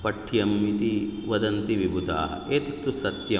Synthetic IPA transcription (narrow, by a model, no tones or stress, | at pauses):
pɐʈʰːijɐmːit̪iʋɐd̪ɐnt̪iʋibʱud̪ʱa̰ːɦɐeːt̪ɐt̪ːusɐt̪jɐ